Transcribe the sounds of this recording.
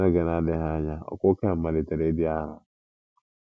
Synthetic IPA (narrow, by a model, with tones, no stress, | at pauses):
a˦ɡe˨na˦dɪ˦ɦa˦ɲa˦ɔ̰˨kʊ˦ke˦m̩˦ma˨lɪ˨te˨ɾe˦bi˦a˦ɾa˨